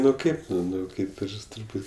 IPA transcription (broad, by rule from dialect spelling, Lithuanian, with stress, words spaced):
ˈnʊ ˈkɐɪp nʊ ˈnʊ ˈkɐɪp ˈɪr tʊrˈbuːtʲ